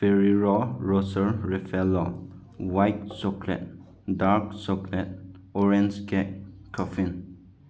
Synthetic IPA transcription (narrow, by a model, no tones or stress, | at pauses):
fɛɹiɹɔɹɔsəɹɛfɛlo | wajt̚sɔkʰlɛ̰t̚ | daɹk̚sɔkʰlɛt̚ | ɔɹɛ̃nskɛt̚kʰːɔfĩn